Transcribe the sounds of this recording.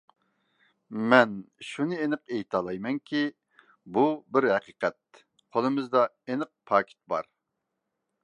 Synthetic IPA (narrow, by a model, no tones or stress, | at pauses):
mɛnʃunɨenɨqejt̪ʰɑlˠɑjmɛŋkʲʰi | bubɪɾhɛqiqɛt̪̚ | qʰolˠɨmɨzd̪ɑ | enɨq̚pʰɑːkʲʰɪ̥t̪̚bɑ̰ɾ